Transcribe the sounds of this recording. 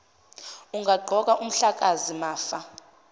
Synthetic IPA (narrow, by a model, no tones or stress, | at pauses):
uŋɡʱaɡ͡ǃʱɔk̬aʔum̩ɬak̬ʼazimaːfa